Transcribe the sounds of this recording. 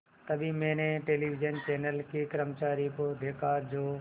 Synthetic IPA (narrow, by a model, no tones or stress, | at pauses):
t̪ɐbʱĩmẽːnẽʈeːliːʋɪd͡ʒənt͡ɕeːnəlkikɾəmt͡ɕaːɾikod̪ʱeːkaːɾd͡ʑoː